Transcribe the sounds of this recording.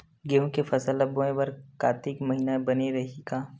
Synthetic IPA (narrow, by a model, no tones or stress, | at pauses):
ɡeɦũkefʰɐsəlɐboẽbɐɾkaːt̪ɪkmɐɦinabɐneɾɐɦiɡaː